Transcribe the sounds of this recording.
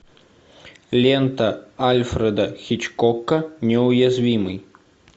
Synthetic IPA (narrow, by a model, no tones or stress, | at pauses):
lʲɛnt̪ɐalʲfɾɛd̪ɐxʲit͡ʃkɔkːɐnʲɛʊjazʲvʲimɨj